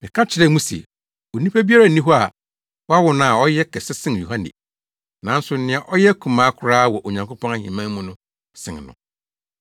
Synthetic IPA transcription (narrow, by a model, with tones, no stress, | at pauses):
mɪ̃˨kʰã˦t͡ɕʰɪ˨ɾɛ˦mũ˦sɛ̰˨ | o˨nĩ˦pʰa˦bi˦a˦ɾa˨nĩ˦ɦɔ˦a˨ | wɔ˦a˦wɔ˨nã˦˨a˨ɔ˦jɛ˦kʰɛ˨sɪ˦sɪ̃˦n˨ju˨ɦã˦nɪ̰˨ | nã˨˦n̩˦sʊ˨˦nɪ̃˦a˨ʔɔ˦jɛ˦kʰũ˨mãː˦kʰʊ˦ɾaː˦wɔ˨ʔo˨ɲã˨ŋkʰo˦pʰɔ̃˦a˦hḭ̃˨mã˦mũ˦nʊ̃˦ | sɪ̰̃˨ŋ˨nʊ̰̃˨